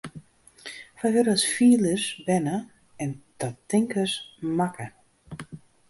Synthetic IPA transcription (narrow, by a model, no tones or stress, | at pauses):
fajɦøɾəsfiːləsbɛnə | ɛntɔtːɪŋkəsmakə